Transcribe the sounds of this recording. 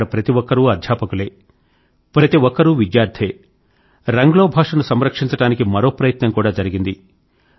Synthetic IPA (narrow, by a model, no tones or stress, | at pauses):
ɽɐpɾɐt̪iʋɔkːɐɾuɐd̪ʱjaːpɐkuleː | pɾɐt̪iʋɔkːɐɾuʋid̪jaːɾd̪ʰeː | ɾɐŋɡloːbʱaːʂɐnusɐmɾɐkʂiɲt͡ʃɐʈaːnikimɐɾo̞ːpɾɐjɐt̪nɐmkuːɽaːd͡ʒɐɾiɡind̪i